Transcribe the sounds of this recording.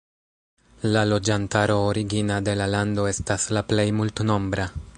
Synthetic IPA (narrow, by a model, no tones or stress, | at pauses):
lalo̞d͡ʒantaɾo̞ːɾiɡinade̞lalando̞e̞staslaple̞jmultno̞mbɾa